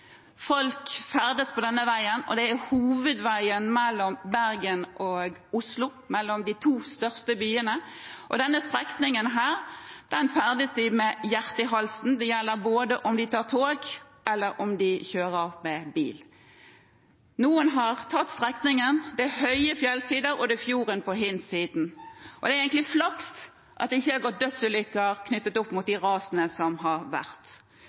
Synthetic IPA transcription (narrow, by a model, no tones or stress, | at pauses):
fɔlkfæʁd̪əspʰɔd̪ɛnːəʋæɪənɔ̰d̪ɛæhuːʋəd̪ʋæɪənmɛlːɔmbæʁɡənʔoːɡʊslʊ | mɛlːɔmd̪ɪt̪ʰuːst̪œʁst̪əbyːənə | ʔɔd̪ɛnːəst̪ʁɛknɪŋənɦæːʁd̪̥ɛnfæʁd̪əsd̪ɪmɛjæʁt̪əɦɑlsn̩d̪ɛjɛlːəʁboːd̪əʔɔmd̪ɪt̪ʰɑːʁt̪ʰoːɡ | ʔɛlːəɾʔɔmd̪ɪçøːʁəɑʋmɛbḭːl | nuːənɦɑʁt̪ʰɑt̪ːst̪ʁɛknɪŋənd̪ɛhœʏəfjɛlsiːd̪əɾɔd̪ɛfjuːʁənpɔɦɪnsiːd̪n̩ʔɔd̪ɛæɾɛɪŋk̪lɪflɑks | ʔɑ̰t̪̚ɪçːəɑɡɔt̪̚d̪œt̪səlʏkːəɑʁkʰnʏt̪ːət̪ʊpːmʊt̪̚d̪ɪʁɑːsənəsɔmɦɑʁʋæ̰ʁt̪